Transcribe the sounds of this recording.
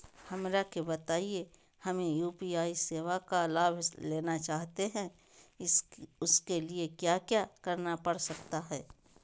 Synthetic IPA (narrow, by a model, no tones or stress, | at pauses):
hɐmɾakebɐt̪aːie | hɐmẽjuːpiaːiseːʋakalaːbʱleːnat͡ʃaːɦt̪eɦɛ̃ | ʊskeliekjaːkjaːkɐɾnapɐɽsɐk̚t̪aɦɛː